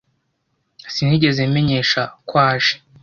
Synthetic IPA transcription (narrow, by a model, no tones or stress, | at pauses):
sin̥iɟe̞ze̞me̞ɲe̞ːʃakwaːʒe̥